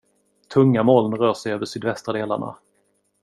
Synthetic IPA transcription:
t̪ʰɵŋːamoːlnɾœːʂɛjøːvəʂyːd̪vɛst̪ɾad̪eːla̰ɳa̰

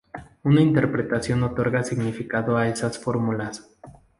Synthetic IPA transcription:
unaint̪e̞ɾpɾe̞t̪asjo̞no̞t̪o̞ɾɣasiɣnifikaðo̞ae̞sasfo̞ɾmulas

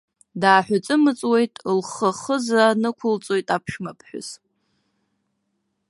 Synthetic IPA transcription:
daːħʷᶣʊt͡sʼɨmɨt͡sʼwe̞jtʼlχəχəzanɨkʷʰʊlt͡sʼo̞jtʼapʰʃmapʰħᶣʊ̰z̥

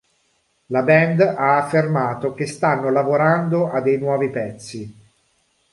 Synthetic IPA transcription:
labɛnd̪aːfːermaːt̪ok̟est̪anːolavoɾand̪oʔad̪ːejnwɔːvipɛt̪sːi

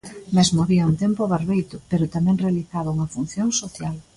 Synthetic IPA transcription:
mezmoaβiɐunt̪empʊβaɾβejt̪ʊpeɾʊt̪amɛ̃ŋrealiθaðʊuŋɐfun̟θjoŋsoθjal

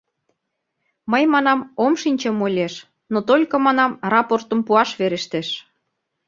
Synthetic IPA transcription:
məjmɑnɑmomʃinʲt͡ɕə̆molʲeʃ | not̪olʲkɤ̆mɑnɑmrɑport̪ə̆mpuɑʃβeɾeʃt̪eʃ

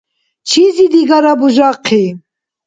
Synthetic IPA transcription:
t͡ʃʰizid̪iɡaɾabuʒaqʰi

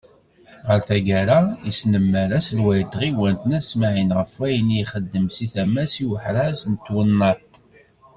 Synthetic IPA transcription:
ʁəɾθæɡæɾaisnəmːəɾæsəlwæjət̪ʁiwænt̪ənæsmaʕinʁəfæjənjχəd̪ːəmsiθæmæsiwəħɾæsənt̪wənːɑt̪

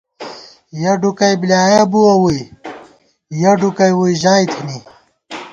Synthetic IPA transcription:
jɐɖukɐjbljaːjɐbuɐwuj | jɐɖukɐjwujʑaːjt̪ʰini

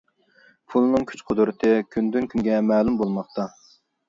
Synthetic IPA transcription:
pʰulˠɨnɨŋkʲʰy̥t͡ʃqʰod̪ɾɨt̪ʰɨkʲʰynd̪ynkʲʰyŋɡʲɛmɛːlˠumbolˠmɑχt̪ɑ

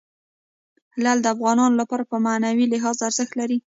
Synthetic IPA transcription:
hlald̪əafɣɑnɑnolapɑɾapəmanawilɪɦɑzaɾzəxt̪laɾi

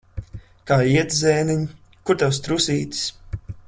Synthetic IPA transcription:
kaːiɛt̪zʲɛːniɲ | kuɾt̪ɛwst̪ɾusiːt̪i̥s

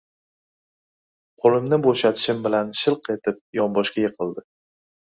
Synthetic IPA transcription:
qʰolɪmnɪboʃat̪ʰɪ̥ʃɪmbɪlanʃɪlˠqe̞t̪ʰɪp̚jɒmbɒʃkʲajeqʰɨlˠd̪ɪ

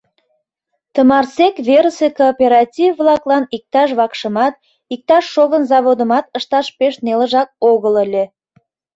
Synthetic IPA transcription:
t̪əmɑrsekβeɾəsekopʲeɾɑtʲivːlɑklɑnik̚t̪ɑʃβɑkʃəmɑt̪̚ | ik̚t̪ɑʃːoβənzɑβod̪ə̆mɑt̪əʃt̪ɑʃpeʃneləʒɑk̚oɣələlʲe

